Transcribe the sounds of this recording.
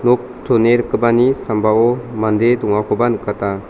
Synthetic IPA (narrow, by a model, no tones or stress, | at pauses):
nɔk̚tʰoneɾɯkːɯbanisambaɔmandedɔŋakʰɔbanɯkːata